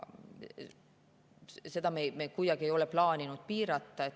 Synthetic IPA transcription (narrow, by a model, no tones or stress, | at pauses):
se̞d̪ɑmemekujɑɡ̥iejo̞leplɑːnʲinud̪̥̚piːɾɑt̪ːɑet̪ː